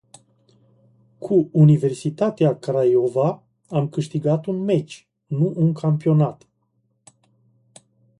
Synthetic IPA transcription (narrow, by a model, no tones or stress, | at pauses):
kʰuunive̞rsit̪at̪eakaɾajova | amkɨʃt̪iɡat̪unme̞t͡ʃʲ | nuʔuŋkʰampio̞nat̪